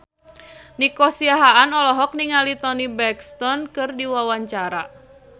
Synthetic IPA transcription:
nikɔsiaɦaʔanɔlɔɦɔk̚niŋalit̪ɔnibɛkst̪ɔnkɨrdiwawaɲt͡ʃaɾa

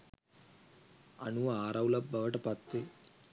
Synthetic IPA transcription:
ɐnuaːɾɐwlɐbʱɐʋɐʈɐpɐt̪ːe

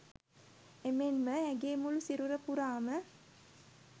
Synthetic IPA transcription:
emenməæɡeːmulusiɾuɾəpuɾaːmə

